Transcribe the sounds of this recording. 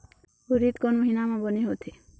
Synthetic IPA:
uɾit̪kɔnmɔɦinamɔ̃bɔneɦot̪ʰi

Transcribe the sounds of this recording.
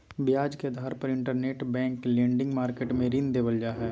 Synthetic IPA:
bɪjaːd͡ʒkeɐd̪ʱaːɾpɐɾɪ̃ɳʈəɾneːʈbɛ̃ːŋklẽːɳɖɪ̃ŋɡmaːɾkeːʈmẽɾind̪eːʋəld͡ʒaːɦɛː

